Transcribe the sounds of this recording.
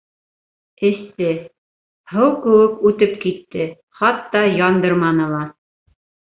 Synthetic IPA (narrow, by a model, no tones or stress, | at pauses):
ɘ̆st̪ɘ | hɤwkɘ̆wɘkʉt̪ɘpkit̪ːɘ | χɑt̪ːɑjɑnd̪ɤɾmɑnɤ̆lˠɑ